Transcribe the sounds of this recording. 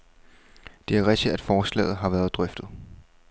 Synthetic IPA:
d̥e̝æɐʁɛɡ̥̚d̥id̥æd̥fɒːslɛ̰ːð̞̩ˠɦɑ̈ʋæːɐð̞̩ˠd̥ʁœfd̥ð̩ˠ

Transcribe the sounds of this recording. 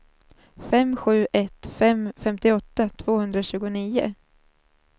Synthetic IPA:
fɛmːɧʉ̟ːʔɛt̪fɛmfɛmt̪ɪɔt̪ːat̪ʰv̥oːhɵnd̪ɾaɕʉ̟ːɡʊniːʊ̰

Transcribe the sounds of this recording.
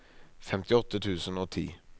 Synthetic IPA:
fɛmt̪ɪɔt̪ət̪ʰʉːsənoːt̪ʰḭː

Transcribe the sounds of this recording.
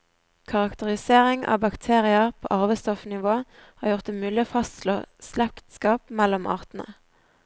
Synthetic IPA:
kʰɑʁɑkt̪əʁɪseːʁɪŋɑ̰ːbɑkt̪ʰeːʁɪəʁpʰo̰ːʔɑʁʋəst̪ɔfnɪʋoːhɑːʁjʊʁt̪əmʉːlɪəfɑst̪lo̰ːslɛkt̪skɑːpmɛlɔmɑ̰ːʁt̪n̩ə̰

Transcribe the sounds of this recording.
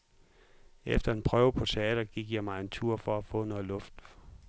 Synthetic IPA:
ʔefd̥ɐe̝npʰʁœːʊpʰɒ̽t͡sʰe̝ɛ̰ːd̥ɐɡ̥iɡ̥jɑ̈ɪmɑ̈ɪe̝nt͡sʰuɐ̰fɒ̽æfɔ̰ːnɔlɔ̽fd̥

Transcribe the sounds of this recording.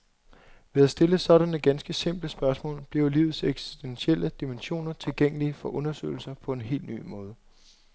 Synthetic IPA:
ʋe̝æsd̥e̝ləsɒ̽ɾænəɡ̥ænsɡ̥əse̝m̰b̥ləsb̥ɶɐsmɔ̰̽ːlb̥liɐʊlḭːʊð̞̩ˠseɡ̥si̥sd̥enɕiel̰əd̥imenɕo̝̰ːnɐt͡sʰe̝lɡ̥eŋ̰əlifɒ̽ʔɔ̽nɐsø̰ɪl̩sɐpʰɒ̽e̝nɦe̝̰ːld̥ny̰ːmɔ̽ːð̞ˠə

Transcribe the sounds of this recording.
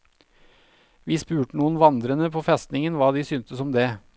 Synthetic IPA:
ʋiːspʉːʈənuːənʋɑnd̪ɾənəpʰoːfɛst̪nɪŋənʋɑːd̪iːsyːnt̪əsɔmd̪eː

